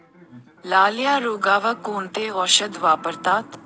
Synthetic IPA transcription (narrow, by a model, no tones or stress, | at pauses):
laːlɪjaːɾuːɡaːʋaːkuːnt̪eːɣɔʃəd̪ʋaːpəɾt̪aːt̪